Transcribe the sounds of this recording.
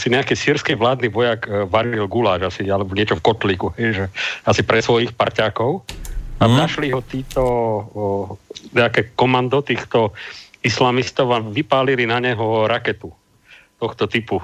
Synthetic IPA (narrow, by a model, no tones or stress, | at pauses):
siɲɛakɛːsiːɾskɛʋlaːd̪niʋɔjaːkʋaɾilɡulaːʒasialɛbɔɲɪɛt͡ʃɔfkɔt̪liːkuɦɛjʒɛasipɾɛsʋɔjixpa̰ɾcaːkɔʊanaʃliɦɔt̪iːt̪ɔ | ɲɛakɛːkɔmand̪ɔt̪iːxt̪ɔislamist̪ɔʊaʋipaːlilinaɲɛɦɔɾakɛt̪u | t̪ɔxt̪ɔt̪ipu